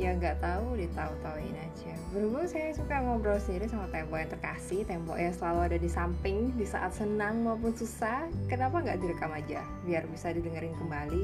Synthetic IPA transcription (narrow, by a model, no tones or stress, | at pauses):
jaŋɡaʔt̪audit̪aut̪auɪnad͡ʒabəɾubʊmsajasukamauɡɾasəndiɾisamat̪ɛmpɔʔjaŋt̪ərkasɪht̪ɛmbɔ̰ʔjaŋsəlaluadadisampɪŋdisa̰ʔat̪̚sənaŋmaup̬ʊnsusahkənapaŋɡaʔdiɾəkamad͡ʒa | biarbisadidəŋəɾɪnkəmbali